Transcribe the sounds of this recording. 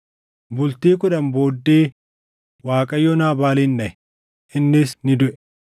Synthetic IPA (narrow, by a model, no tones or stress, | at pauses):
bʊlt̪iːkʊᶑɐmboːd̪ːeː | waːkʼɐjːɔnaːbaːliːndɐɛ | ʔɪnːɪsnɪd̪ʊʔɛ̥